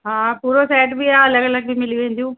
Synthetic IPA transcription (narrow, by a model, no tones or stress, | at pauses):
ɦãːpuːɾosɛːʈbiaːɐlɐɡəlɐɡ̚bʱimɪlijʋẽːnd̪ijũː